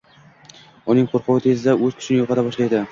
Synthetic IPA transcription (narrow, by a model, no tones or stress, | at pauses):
ʊnɪŋqʰoɾqʰʊwɪt̪ʰe̞zɪd̪aɵzkʲʰʊ̥ʃʰɪnɪjoqʰɑt̪ʰabɒʃlajd̪ɪ